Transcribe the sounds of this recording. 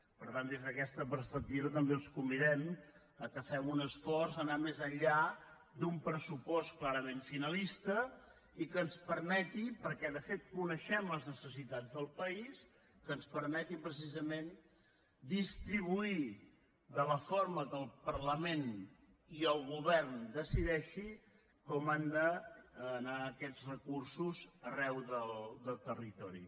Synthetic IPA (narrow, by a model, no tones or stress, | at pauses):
pəɾt̪and̪ezðəkɛst̪əpəɾspək̚t̪iβət̪əmbeəlˠskumbiðɛm | əkəfɛmunəsfɔrzənamezəʎʎa | d̪umpɾəsupɔsklaɾəmeɱfinəlist̪ə | ikənspəɾmɛt̪ipəɾkɛðəfet̪̚kunəʃɛməlˠznəsəsit̪ad͡zðəlˠpəis | kənspəɾmɛt̪ipɾəs̬izəmen | d̪ist̪ɾiβ̞ui | d̪ələfoɾməkəlˠpərləmen | iəlˠɣuβɛɾnd̪əsiðɛʃi | kɔmand̪ə | naəkɛd͡zrəkursuzərɛwðəld̪əlˠt̪ərit̪ɔɾḭ